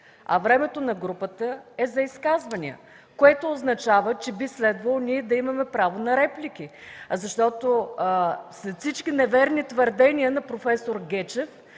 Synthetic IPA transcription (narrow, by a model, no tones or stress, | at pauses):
ɐ̰vɾɛmɛt̪onɐɡɾupət̪əɛzɐiskazvəniə̰ | koɛt̪oːznɐt͡ʃavət͡ʃɛbislɛd̪vəlˠonʲiɛd̪ɐimɐmɛpɾavonɐɾɛplik̟ʲizɐʃt̪ɔt̪o | sɛfsit͡ʃkʲinɛvɛɾnit̪vəɾd̪ɛniənɐpɾofɛsoɾɡʲɛt͡ʃɛf